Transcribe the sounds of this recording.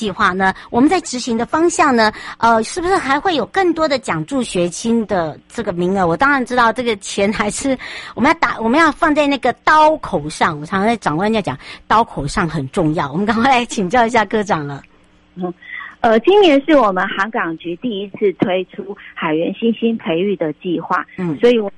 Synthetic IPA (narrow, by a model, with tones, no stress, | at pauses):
i˥˧xwa˥˩nə˩wɔ˨˩mə˦nt͡sa˥˩ɪʈ͡ʂɻ̩˧˥ɕi˧˥ŋd̪ə˧fɑ˥ŋɕjɑ˥˩ŋnə˩ə˧ʂɻ̩˥˩bu˧˩ʂɻ̩˥˩xa˧ɪxwe˥˩ɪjo˨˩ʊkə˥˩ŋt̪wɔ˥d̪ə˨t͡ɕjɑ˨˩ŋʈ͡ʂu˥˩ɕɥɛ˧˥t͡ɕʰi˥nd̪ə˨ʈ͡ʂɤ˥˩ɡə˩mi˧˥ŋə˧wɔ˨˩t̪ɑ˥ŋɻa˧˥nʈ͡ʂɻ̩˥t̪ɑ˥˧ʊʈ͡ʂɤ˥˩ɡə˩t͡ɕʰjɛ˧˥nxa˧˥ɪʂɻ̩˥wɔ˨mə˦jɑ˥˩t̪a̰˨˩wɔ˨˩mə˦jɑ˥˧ʊfɑ˥˧ŋt͡sa˥˧ɪna˥˩ɡə˩t̪ɑ˥ʊkʰo˨˩ʊʂɑ˥˩ŋwɔ˨˩ʈ͡ʂʰɑ˨˧˥ŋ˥a˥˩ʈ͡ʂɑ˨˩ŋkwa˥˧˥jt͡ɕjɑ̰˨˩ŋt̪ɑ˥ʊkʰo˨˩ʊʂɑ˥˩ŋxə˨˩nʈ͡ʂʊ˥˧ŋjɑ˥˩ʊwɔ˨˩mə˦ŋkɑ˥ŋkʰa˥lɪt͡ɕʰi˨˩ŋt͡ɕjɑ˥ʊi˧˥ɕ̬ja˥˧kɤ˥ʈ͡ʂɑ˨˩ŋlə˦˥˩ | ə˧t͡ɕi˥nnjɛ˧˥nʂɻ̩˥˩wɔ˨˩mə˦nxɑ˧˥ŋkɑ˨˩ŋt͡ɕy˧˥t̪i˥˩i˥t͡s̩ʰ˥˩t̪ʰwe˥ɪʈ͡ʂʰu˥xa˨˩ɪɥɛ˧˥nɕi˥nɕi˥npʰe˧˥ɪy˥˩d̪ə˩t͡ɕi˥˧xwa̰˥˩n̩˥˩swɔ˧˥i˨˩w